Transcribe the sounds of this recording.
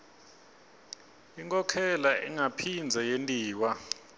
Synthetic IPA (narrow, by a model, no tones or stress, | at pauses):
iŋkʼɔkʰɛlaʔḭŋapʰind͡zʱɛjentʼiːwa